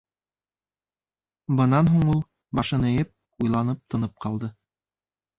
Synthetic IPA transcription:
bɤ̆nɑnɦuɴulˠ | bɑʃɤ̆nɤ̆jɤp̚ | ujlˠɑnɤp̚t̪ŏnɤp̚qɑlˠd̪ɤ

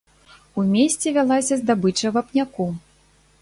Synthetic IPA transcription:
umʲesʲt͡sʲɛvʲalˠasʲɐzd̪abɨt͡ʂɐvapnʲaku

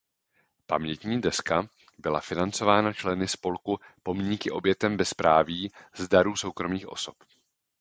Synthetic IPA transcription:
pa̰mɲɛt̪ɲiːdɛska | bɪla̰fɪnant͡so̞vaːnat͡ʃlɛnɪspo̞lkupo̞mɲiːkɪʔo̞bjɛt̪ɛmbɛspɾaːviːzdaɾuːso̞wkɾo̞miːxʔo̞̰so̞̥p

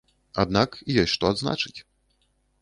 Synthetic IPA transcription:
ad̪nakjɔjʲʂt̪ɔad̪zna̰t͡ʂɨ̥t͡sʲ

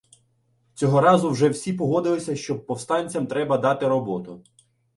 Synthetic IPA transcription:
t͡sʲɔɦɔɾɑzʊwʒɛwsʲipɔɦɔd̪ɪlˠɪsʲɐʃt͡ʃɔb̚pːɔwst̪ɑnʲt͡sʲɐmt̪ɾɛbɐd̪ɑt̪ɪɾɔbɔt̪ʊ

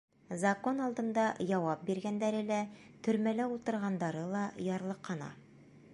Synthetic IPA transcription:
zɐko̞nɑlˠd̪ɤ̆nd̪ɑjɑwɑp̚biɾɡænd̪æɾɘlæ | t̪ɵ̆ɾmælæulˠt̪ɤ̆ɾʁɑnd̪ɑɾɤlˠɑjɑɾlˠɤ̆qːɑnɑ̰

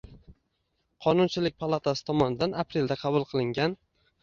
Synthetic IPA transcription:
qʰɒnʊnt͡ʃʰɪlɪk̚ʲpʰalˠat̪ʰasɪ̥t̪ʰɒmɒnɪd̪anapɾe̞ld̪aqʰɑbʊlˠqʰɨlˠɪŋɡʲan

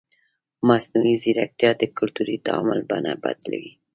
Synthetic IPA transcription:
masnuiziɾak̚t̪ijɑd̪əkʊlt̪uɾid̪amʊlbanaba̰d̪la̰wi

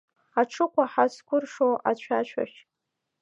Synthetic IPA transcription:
aʈ͡ʂʰɨkʷʰaħaskʷʰʊrʂoʔat͡ɕʷʰat͡ʃʷʰa̰ʃ

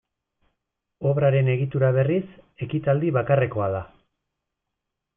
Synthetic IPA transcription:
o̞βɾaɾe̞ne̞ɣit̪uɾaβ̞e̞rise̞kit̪ald̪iβakare̞ko̞aða

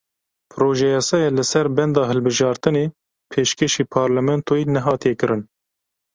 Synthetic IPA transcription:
pʰɨɾoːʒɛjɑsɛjɛlɨsɛɾbɛnd̪ɑːɦɨlbɨʒɑːɾt̪ɨneː | pʰeːʃkʰeʃiːpʰɑːɾlɛmɛnt̪ʰoinɛɦɑːt̪ijɛkɨɾɨn

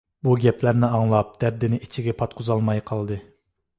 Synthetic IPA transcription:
buɡʲɛplæɾnɪɑŋlˠɑp̚d̪̥æɾd̪ɪnɪʔit͡ʃʰiɡʲɛpʰɑt̪̚qʰʊzɑlˠmɑjqʰɑlˠd̪ɨ

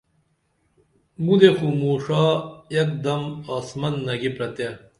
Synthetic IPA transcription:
mud̪exumuːʂaːjɐk̚d̪ɐmaːsmɐnːɐɡipɾɐt̪e

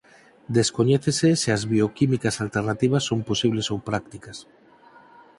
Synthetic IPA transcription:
d̪eskoɲeθeseseazβiokimikasalt̪eɾrnat̪iβ̞ɐsːomposiβlesowpɾak̚t̪ikɐs

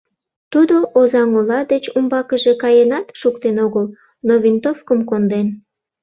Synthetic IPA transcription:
t̪ud̪oʔozɑŋolɑd̪et͡ɕumbɑkəʒe̽kɑjenɑt̪ʃukt̪enoɣəl | noβint̪ofkəmkond̪en

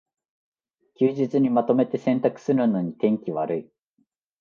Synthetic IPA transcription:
kʲɨːʑit͡sɨɲ̟imat̪o̞me̞t̪e̞sẽ̞nt̪akɯ̟̥sɨɾɯ̟no̞ɲ̟it̪ẽ̞ŋkʲiβaɾɯ̟i

